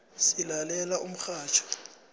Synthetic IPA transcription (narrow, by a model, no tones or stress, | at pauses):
silalɛlaum̩xaːt͡ʃʰɔ̥